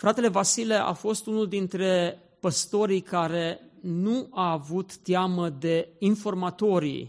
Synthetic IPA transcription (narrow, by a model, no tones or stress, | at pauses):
fɾat̪e̞le̞vasileʔa̰fo̞st̪unuld̪int̪ɾe̞ | pəst̪o̞ɾijkaɾe̞nuaːvut̪ːjaməd̪e̞info̞rmat̪o̞ɾḭj